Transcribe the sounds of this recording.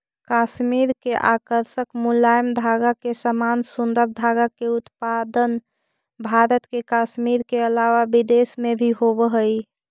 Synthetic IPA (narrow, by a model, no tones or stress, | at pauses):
kaʃmiɾkeʔakəɾʃəkmulajmd̪ʱaɡakesəmansund̪əɾd̪ʱaɡakeut̪pad̪ən | bʱaɾət̪kekaʃmiɾkeəlaʋabid̪esmebʱiɦobəɦəj